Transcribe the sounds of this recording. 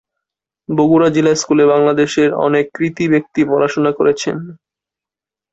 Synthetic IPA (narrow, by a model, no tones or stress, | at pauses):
boɡuɾad͡ʑilaeskulebaŋlad̪eʃeɾɔ̰nekːɾit̪ibek̚t̪ipɔɾaʃonakoɾet͡ɕʰḛn